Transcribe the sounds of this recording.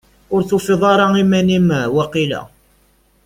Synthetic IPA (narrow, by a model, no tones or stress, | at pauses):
ʊɾθufiðˤɑɾˤɑimænimæwæqilæ̰